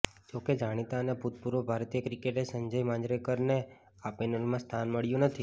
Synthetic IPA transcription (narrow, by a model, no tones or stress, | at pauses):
d͡ʒoked͡ʒaɽ̃it̪aəneput̪̚puɾobʱaɾt̪ijəkɾikeʈesəɲd͡ʒəjmãd͡ʒɾekəɾne | apɛnəlmãst̪ʰanməɭjũnət̪ʰi